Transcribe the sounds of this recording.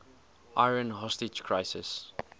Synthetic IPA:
ʔaɪɹə̃nɦɔstɪd͡ʒkʰɹaɪsɪ̰s

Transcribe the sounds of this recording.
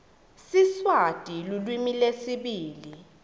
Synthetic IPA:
siswad̥ʱilulwimilesiɓiːli

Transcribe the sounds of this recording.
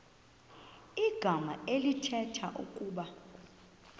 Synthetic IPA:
iɡ̥ʱamaelitʰɛtʰaʔṵkʼuːɓa

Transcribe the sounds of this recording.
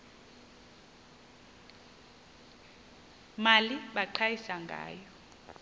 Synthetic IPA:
maliɓaǃʰajisaŋɡʱa̰ːjɔ

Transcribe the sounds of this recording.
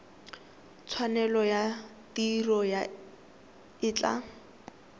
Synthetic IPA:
t͡sʰwanɛlɔja | tirɔja | ɪːt͡ɬʼa̰

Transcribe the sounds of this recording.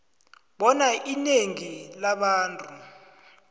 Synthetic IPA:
ɓɔnaʔineŋilaɓaːntʼu

